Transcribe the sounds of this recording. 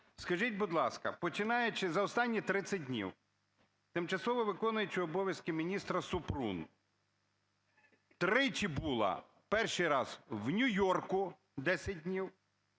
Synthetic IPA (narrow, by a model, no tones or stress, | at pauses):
skɐʒitʲbʊd̪lˠɑskɐpɔt͡ʃɪnɑjet͡ʃɪzɐɔst̪ɑnʲːit̪ɾɪt̪sʲɐd̚ʲdʲnʲḭw | t̪ɪmt͡ʃɐsˠɔʋɔʋɪkɔnʊjet͡ʃɪɔbɔʋʲjɐskɪmʲinʲist̪ɾɐsʊpɾṵn | t̪ɾɪt͡ʃibulˠɐ̰ | pɛrʃijɾɑz̥wnʲʊjɔrkʊ | d̪ɛsʲɐd̚ʲdʲnʲiw